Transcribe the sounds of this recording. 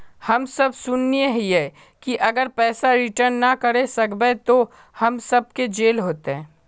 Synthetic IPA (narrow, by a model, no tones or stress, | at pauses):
hɐmsɐbsʊnːijeɦjɛ | kiʔɐɡəɾpɛːsaɾɪʈəɾnːakɐɾesɐkbet̪o | hɐmsɐb̚ked͡ʒeːlɦoːt̪eɦɛ̃ː